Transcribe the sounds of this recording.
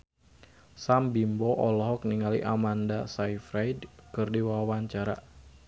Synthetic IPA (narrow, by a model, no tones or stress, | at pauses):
sambimbɔʔɔlɔɦɔk̚niŋalḭʔamandasaifɾajdkɨrdiwawaɲt͡ʃaɾa̰